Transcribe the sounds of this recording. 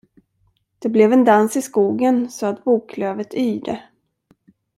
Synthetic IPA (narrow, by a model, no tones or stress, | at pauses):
d̪̥ɛblɛvɛnd̪ansɪskuːɡənsɔat̪̚buːkʰløːvət̪ʰyːd̪ə